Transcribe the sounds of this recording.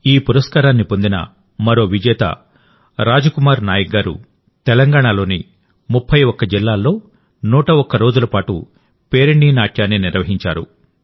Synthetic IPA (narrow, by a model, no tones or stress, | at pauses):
iːpuɾɐskaːɾaːnːipo̞nd̪inɐ̰ | mɐɾo̞ːʋid͡ʒɛːt̪ɐ̰ | ɾaːd͡ʒukumaːɾnaːjɐɡaːɾṵ | t̪ɛlɐŋɡaːɳ̃alo̞ːni | mupʰːɐjɔkːɐd͡ʒilːaːlːo̞ː | nuːʈɐɔkːɐɾo̞ːd͡ʒulɐpaːʈṵ | pe̞ːɾeɳɖiːnaːʈʰjaːneːniɾʋɐɦiɲt͡ʃaːɾṵ